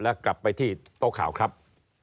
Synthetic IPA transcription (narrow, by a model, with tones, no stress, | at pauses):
lɛ˦˥kla˨˩pːa˧jt̪ʰiː˥˩t̪o˦˥kʰːaː˩˦wkʰɾa˦˥p̚